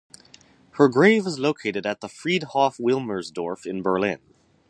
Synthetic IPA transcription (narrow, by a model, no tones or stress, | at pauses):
hə˞ɡɹeɪvəzloʊkʰeɪɾɨɾɨt̪̚ðəfɹid̚hɔfwɪlˠmə˞zdɔɹfɨ̃nbə˞lɪ̰̃n